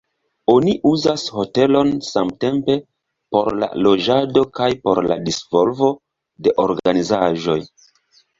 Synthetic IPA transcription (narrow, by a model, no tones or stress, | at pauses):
o̞niʔuzasho̞te̞lo̞nsamte̞mpe̞ | po̞ɾla̰lo̞d͡ʒado̞kajpo̞ɾla̰disvo̞lvo̞ | de̞ʔo̞ɾɡanizaʒo̞j